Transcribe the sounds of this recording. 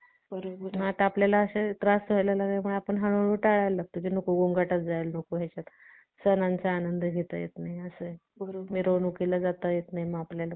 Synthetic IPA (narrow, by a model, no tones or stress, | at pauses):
bəɾobəɦãʈaplalaːɕet̪ɾast̪ʋajlalaneməɳapəɳɦəñoɽuːʈaɭajlːaɡ̚t̪ok̬iːnokuɡoŋɡaʈat̪d͡zajlnokuɦɛt͡ɕat̪ | sənant͡saːnənd̪əɡʱet̪ə̰jḛt̪naɦjəsə | bəɾomiːɾonukilad͡zat̪əjet̪naiməapljala